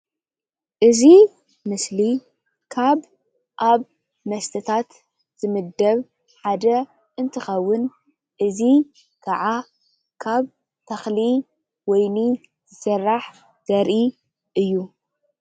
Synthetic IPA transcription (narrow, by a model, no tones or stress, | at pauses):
ʔɨzi | mɨsli | kʰaβ | ʔaβ | mɐst̪ʰɨt̪ʰat̪ | z̥ɨmɨd̪ːɐβ | ħad̪ɐ | ʔɨnt̪ʰɨxɐwːʊn | ʔɨzi | kʰaʕa | kʰaβ | t̪ʰɐxli | wɔjni | zɨsɐrːaħ | z̥ɐɾʔi | ʔɨjːu